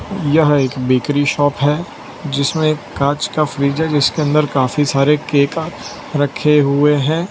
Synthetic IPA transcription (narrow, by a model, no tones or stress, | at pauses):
jɐɦeːkbiːkɾiʃɔːpɦɛ | d͡ʒɪsmẽkːaːt͡ʃkafɾiːd͡ʒɦɛd͡ʒɪskeɐ̃nd̪əɾkaːfisaːɾekeːkaː | ɾɐkʰːeɦʊeɦɛ̃ː